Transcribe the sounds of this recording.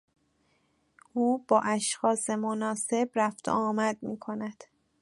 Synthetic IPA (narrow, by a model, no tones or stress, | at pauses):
ʔuːbɒːʔæʃxɒːse̞monɒːse̞bɾæft̪ʰo̰ɒːmæd̪̚mḭːkʰo̞næd̪̥